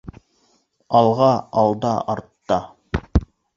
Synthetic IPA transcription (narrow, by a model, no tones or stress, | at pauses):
ɑlˠʁɑɑlˠd̪ɑɑɾt̪ːɑ